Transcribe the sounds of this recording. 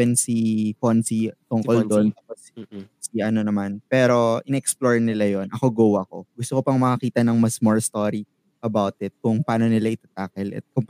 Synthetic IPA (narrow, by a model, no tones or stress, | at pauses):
ɛnsikonsit̪oŋkold̪ont̪aːpossiʔɐno̞nɐmanpɛːɾo̞ʔɪnɛɛksploɹnɪlajonʔɐko̞ɡowɐko̞̰ɡʊst̪okopɐŋmɐkɐkiːt̪ɐnɐŋmɐsmoɹst̪oɾi | ʔɐbawt̪ɪt̪̚kʊŋpɐʔaːno̞nɪlaʔɪt̪at̪aːkɐlʔɐ̰t̪̚kʊŋ